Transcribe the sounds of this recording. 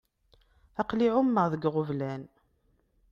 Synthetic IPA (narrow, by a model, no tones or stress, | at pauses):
ɑqliʕʊmːəʁðəɡʁʊvlæn